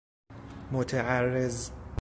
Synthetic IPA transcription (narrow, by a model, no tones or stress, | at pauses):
mot̪ʰaʕarːez